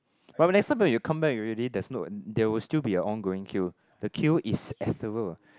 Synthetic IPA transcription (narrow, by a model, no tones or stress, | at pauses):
banɛkstãɪ̃mwwɛ̃jukʰãmbɛk̚ɹilidɛsnɔtdɛwilstilbiəʔɔ̃nɡoɪ̃ŋkʰu | d̥əkʰulʔisɛθəvəl